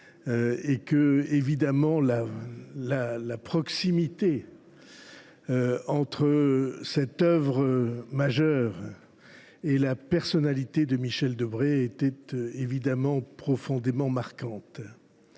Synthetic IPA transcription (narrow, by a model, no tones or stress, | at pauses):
øekəevid̪amɑ̃lalalapχɔksimit̪e | øɑ̃t̪χəsɛt̪œvʁəmaʒœʁ | elapɛʁsɔnalit̪ed̪əmiʃɛld̪əbʁeet̪ɛt̪evid̪amɑ̃pχɔfɔ̃d̪emɑ̃maʁkɑ̃t̪